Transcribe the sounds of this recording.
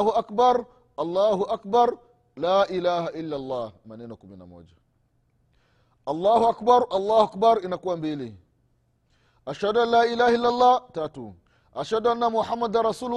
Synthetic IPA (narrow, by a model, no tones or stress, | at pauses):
huʔakbaɾˤ | ʔɐlːaːhuʔak̚baɾˤ | laːʔilaːhaʔilːalˤːaːmanɛːnakumina̰mo̰ːd͡ʒa | ʔɐlˤːaːhuʔakbaɾˤʔɐlˤːaːhuʔak̚baɾˤʔinakuwambilḭ | ʔaʃhaduanlaːʔilaːhailːalˤːaːtaːtṵ | ʔaʃhaduʔanːamuħamːad̪arˤɾˤɑsuːlu